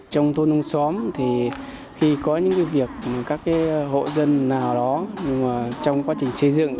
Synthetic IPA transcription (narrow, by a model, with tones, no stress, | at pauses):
t͡ɕɔ˧wŋ͡mt̪ʰo˧nu˧ŋ͡msɔ˨˦mt̪ʰi˨˩ | xi˧kɔ˨˦ɲɨ̰˧˥ŋka˨˦jvi˨˩ək̚ma˨˩kaː˦˥kːaː˨˦jɦo̰˧˨zə˧nːaː˨˩wɗɔ˨˦ɲ˧ŋmaː˨˩t͡ɕɔ˧wŋ͡mkwaː˨˦t͡ɕï˨˩ŋ̟sə˧jzɨ̰˧˨ŋ